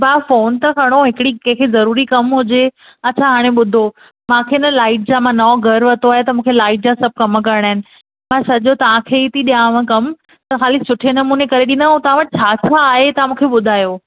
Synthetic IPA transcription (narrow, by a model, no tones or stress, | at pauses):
baːfoːnt̪ɐkʰɐɽ̃oɦɪkɪɽikɛ̃ɦkʰezɐɾuːɾikɐmɦʊd͡ʑe | ɐːt͡ɕʰaɦaːɽ̃ẽɓʊd̪ʱo | mãkʰeɪnəlaːɪʈ̚d͡ʑãmãnɔɡʱɐɾʋɐt̪ʰoaːɦet̪ɐmũːkʰelaːɪʈ̚d͡ʑãsɐb̚ʱkɐmk̬ɐɾɪɽ̃aːɦɪnɪ̆ | mãsɐʄot̪ɐʋ̤ãkʰeit̪ʰiɗijãʋãkɐm | t̪ɐxaːlɪksʊʈʰenɐmuːnekɐɾeɗĩnd̪aɦũt̪ɐʋãʋəʈ̚t͡ɕʰaːt͡ɕʰaːɦet̪ɐãmũːkʰeɓʊd̪ʱaːjoː